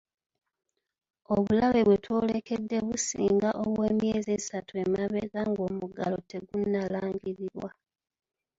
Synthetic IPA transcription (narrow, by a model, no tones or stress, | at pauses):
o̞βulaβe̞βwe̞two̞ːle̞ke̞dːe̞βusḭːŋɡaʔoβweːmje̞ːzesatue̞maβe̞ɡaŋɡo̞ːmuɡalo̞te̞ɡunːalaːŋɡiɾiɾwa̰